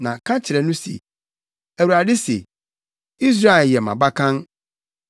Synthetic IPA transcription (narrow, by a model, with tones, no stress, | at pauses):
nã˨kʰã˦t͡ɕʰɪ˨ɾɛ˨nʊ̃˦sḛ˨ | æ˨wu˨ɾa˨dɪ˦sḛ˨ | i˦s̬ɾa˦˨ɛ˨ljɛ˨mã̰˨ba˦kʰã˦n